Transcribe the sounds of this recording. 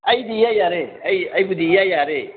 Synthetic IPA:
ajdijajaɾeajajɡudijajaɾe

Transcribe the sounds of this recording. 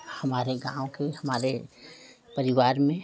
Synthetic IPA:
hɐmaːɾeɡã̰ːõkehɐmaːɾe | pəɾɪʋaːɾmẽ

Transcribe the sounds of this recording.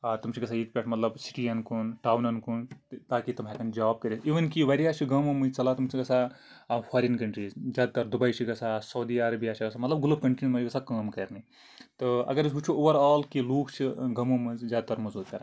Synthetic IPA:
at̪umt͡ʃʰĩɡɐsʰajit͡ʃpʲeʈʰmɐt̪lɐbsi̥ʈijɐnkunʈaːwnɐnkunt̪aːkit̪ɐmakɐnd͡ʒaːb̚kɐɾisiːʋɐnkiʋɐɾijat͡ʃʰiɡɐmomɨt͡sɐlat̪umsʰĩɡɐsʰa | pʰaɾinkɐɳʈɾiːzzjaːd̪at̪ɐɾd̪ubɐjt͡ʃʰiɡɐsʰasɐwd̪iɐɾɐbijat͡ʃʰiɡɐsʰamɐt̪lɐb̚ɡulub̚kɐɳʈɾinmɐiɡɐsʰakaːmkɐɾni | t̪ɨɐ̰ɡɐɾsɦut͡ʃʰuoʋɐɾaːlkiluːkt͡ʃʰiɡɐmomɨzzʲjaːd̪at̪ɐɾmɐzuːd̪̚kɐɾn

